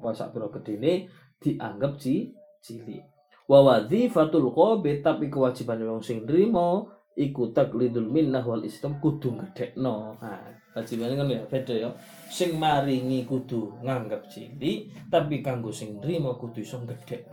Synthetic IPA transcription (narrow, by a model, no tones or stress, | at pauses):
ɔɛsa̰ʔb̪uɾɔɡ̥əɖ̥e̤ne | d̪̥i̤ʔaŋɡəp̚t͡ʃi | t͡ʃilḭ | wawaðifat̪ulkɔbɪt̪ːapikəwad̥ʒ̥i̤panewɔŋsɪŋnɾimɔ | ʔikut̪aklid̪ʊlminːaɦwalʔḭstamkud̪̥ṳŋɡəɖ̥ɛʔnɔa | wad̥d͡ʒ̥i̤baneŋənujafɛd̪ɔjɔ | sɪŋmaɾiŋikud̪̥uŋaŋɡəp̚t͡ʃḭlit̪apikaŋɡosɪŋnrimɔkud̪̥ṳisɔŋɡəɖ̥ɛʔn